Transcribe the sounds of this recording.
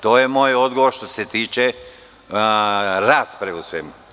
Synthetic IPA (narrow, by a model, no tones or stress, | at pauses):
t̪oːjemoːjo̞d̪ɡoʋoɾʃt̪oset̪iːt͡ʃe | ɾaːspɾausʋemu